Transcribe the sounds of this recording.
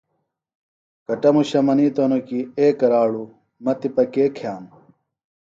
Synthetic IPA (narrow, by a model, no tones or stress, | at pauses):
kɐʈɐmuɕɐmɐniːt̪onokieːkɐɾaːɽu | mɐt̪ipɐkeːkʰjaːm